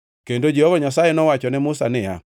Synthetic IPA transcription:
kendod͡ʒehɔvɔɲasajenɔwat͡ʃɔnɛmʊsa̰nɪja̰

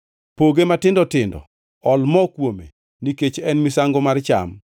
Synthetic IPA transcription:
poɡematɪndɔtɪndɔ̰ | ɔlmɔkwomḛ | niket͡ʃɛnmisaŋɡomart͡ʃa̰m

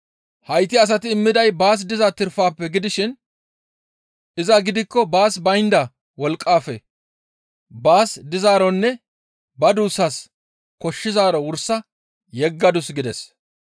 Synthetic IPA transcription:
hɐjt̪ɪɐs̬ɐt̪ɪːmːɪd̪ɐjbaːs̬d̪ɪzɐt̪ɪɾfaːpːɛɡɪd̪ɪʃɪn | ʔɪzɐɡɪd̪ɪkːɔbaːsbɐjnd̪ɐ | wɔlkʼːaːfɛ̰ | baːsd̪ɪzaːɾɔnːɛ | bɐd̪uːsas | kɔʃːɪzaːɾɔwʊɾsɐ | jɛɡːɐd̪ʊsɡɪd̪ɛs

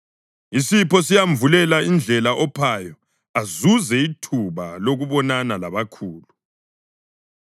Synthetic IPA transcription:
isipɔsijaɱvulɛlaind͡ɮʱɛlaʔɔpʰaːjɔ | azuzɛitʰuβaloɣuβɔnanalaβakʰuːlu

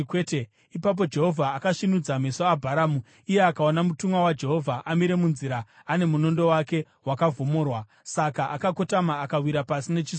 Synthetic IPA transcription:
kwete | ipap̬o̞d͡ʒe̞ɦo̞vʱaːkaʃinud͡zamesoabʱaɾaːmu | ije̞akaonamutumwawad͡ʒe̞ɦo̞vʱaʔamiɾe̞munziɾa | ane̞muno̞ndo̞wake̞ | wakavʱo̞mo̞ːrwa | sakaʔakakotamaːkawiɾapasine̞t͡ʃis

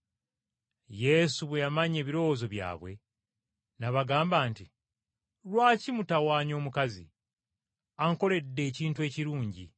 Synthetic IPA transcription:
je̞suβwe̞jamaɲe̞ːβiɾo̞wozo̞βja̰ːβwe̞̰ | naβaɡaːmbaːnti | lwaːcimutawaːɲo̞ːmukazḭ | aŋko̞le̞dːe̞ːciːntue̞ːciɾuːɲɟḭ

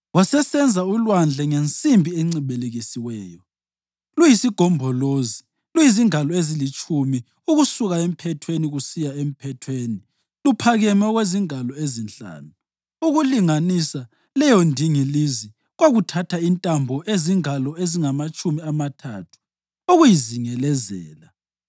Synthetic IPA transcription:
wasɛsɛnd͡zʱaulwand͡ɮʱɛŋent͡sʼimbʱieŋ͡ǀiɓeleɣisiwɛːjɔ | lujisiɡ̥ʱɔmbʱɔloːzi | lujiziŋalɔezilit͡ʃʼumi | uɣusuɣaem̩pʰɛtʰweniɣusijaem̩pʰɛtʰweːni | lupʰaɣɛmɛɣweziŋalɔezinɬa̰ːnu | uɣuliŋanisa | lɛjɔndʱiŋilizi | ɣoɣutʰatʰaintʼambʱɔʔeziŋalɔeziŋamat͡ʃʼumiamatʰa̰tʰu̥ | uɣujiziŋɛlɛzɛ̰ːla

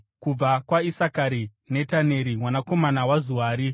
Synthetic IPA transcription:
kub͡vakwaisakaɾi | ne̞tane̞ɾimwanako̞manawazuwaːɾi

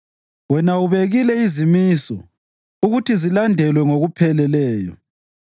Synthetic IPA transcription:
wɛnauβeɣilɛizimisɔ | uɣutizilandʱɛlwɛŋoɣupʰɛlɛlɛːjɔ̰

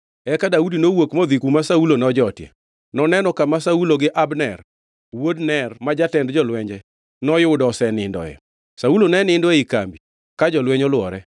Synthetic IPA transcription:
ɛkadaudinowokmɔd̪ikumasaulonɔd͡ʒɔtjɛ̰ | nɔnɛnɔkamasauloɡɪʔabnɛr | wodnɛrmad͡ʒatɛndd͡ʒɔlwɛɲd͡ʒɛ | nɔjʊʊdɔsɛnɪndɔ̰ɛ̰ | saulonɛnɪndɔɛika̰mbi | kad͡ʒɔlwɛɲɔlwɔɾɛ

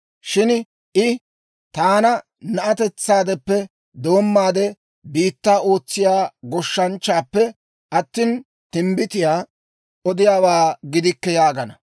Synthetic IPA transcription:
ʃɪn | ʔɪ | t̪aːnɐ | nɐʔɐt̪ɛt͡sːaːd̪ɛpːɛ | d̪o̞ːmːaːd̪ɛ | biːt̪ːaːo̞ːt͡sːɪjaːɡɔʃːɐnt͡ʃːaːpːɛ | ʔɐt̪ːiːn | t̪ɪmbɪt̪ɪjaː | ʔɔd̪ɪjaːwaːɡɪd̪ɪkːɛjaːɡɐnɐ

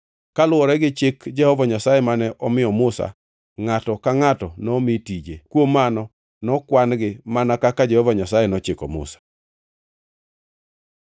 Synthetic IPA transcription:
kalʊɔɾɛɡɪt͡ʃekd͡ʒɛhɔvaɲasajɛmanɛʔɔmɪɔmʊsa̰ | ŋatɔkaŋatɔnɔmitid͡ʒekwomanɔ | nɔkwanɡɪmanakakad͡ʒɛhɔvaɲasajɛnɔt͡ʃɪkɔmʊ̰sḁ

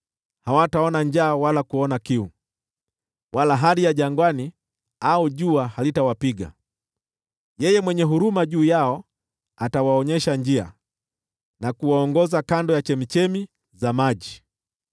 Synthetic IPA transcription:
hawataɔnand͡ʒaːwalakuɔnakiu | wʔalaɦalijaʄaŋɡwani | auʄuahalitawapiɡa̰ | jɛjɛmwɛɲɛɦuɾumaʄuːjaɔ | atawaɔɲɛʃand͡ʒia̰ | nakuwaɔŋɡɔzakandɔjat͡ʃɛmit͡ʃɛmi | zamaʄi

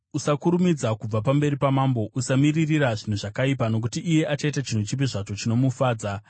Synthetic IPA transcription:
usakuɾumid͡zakub͡vapambe̞ɾipamaːmbo̞ʔusamiririraʐin̤uʐakaip̬ano̞k̬utiʔːje̞ʔat͡ʃaitat͡ʃin̤ut͡ʃip̬iʐat͡ʃo̞t͡ʃino̞mufaːd͡za

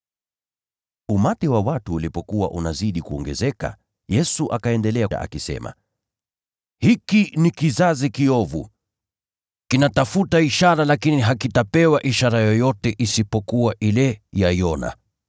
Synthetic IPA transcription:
umatiwawatuːlipɔkuwa̰ʔunaziɗikuɔ̰ŋɡɛ̰zɛka̰ | jɛsuʔakaɛndɛlɛa̰ʔa̰kisɛ̰ma̰ | hikinikizazikiɔvṵ | kinatafutaiʃaɾalakiniɦakitapɛwaʔiʃaɾajɔjɔtɛʔisipɔkuwaʔilɛjaiɔna̰

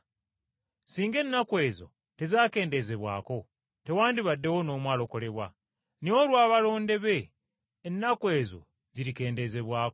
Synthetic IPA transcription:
siːŋɡe̞nːakwe̞ːzo̞̰ | te̞zaːke̞ːnde̞ze̞βwa̰ːko̞ | te̞waːndiβadːe̞wono̞ːmwaːlo̞ko̞le̞βwa | niwolwaːβalo̞ːnde̞βeː | nːakwe̞ːzo̞̰ | ziɾike̞ːnde̞ze̞βwaːko

